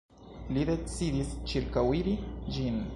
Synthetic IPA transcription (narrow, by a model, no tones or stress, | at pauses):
lid̪e̞t͡sid̪ist͡ʃiɾkawiɾid͡ʒin